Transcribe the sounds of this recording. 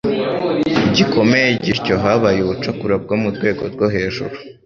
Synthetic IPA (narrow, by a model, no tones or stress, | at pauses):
iɟiko̞me̞jeɟiɾco̞ɦaβajuβut͡ʃakuɾab̚ɡo̞muɾɡwe̞ːɡo̞ɾɡoɦe̞ːʒuɾu